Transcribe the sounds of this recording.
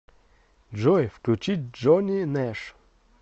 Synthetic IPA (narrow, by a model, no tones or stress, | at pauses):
d͡ʒɔjfklʲʊt͡ʃit̚ʲd͡ʒɔnʲinɛʂ